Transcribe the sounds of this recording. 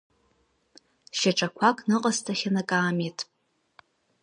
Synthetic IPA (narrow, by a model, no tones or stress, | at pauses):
ʃaʈ͡ʂʼakʷʰakʼnɨqʼastʰaχʲanakʼaːmetʼ